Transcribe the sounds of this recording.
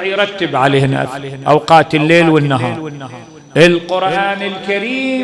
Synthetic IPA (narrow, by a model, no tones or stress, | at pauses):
ʕjɾˤɑt̪ːɪbʕaleːhna̰θʔawqɑːt̪ɪlːeːlwɪnːaɦɑːɾˤ | ʔɪlqʊɾʔaːnɪlkaɾiː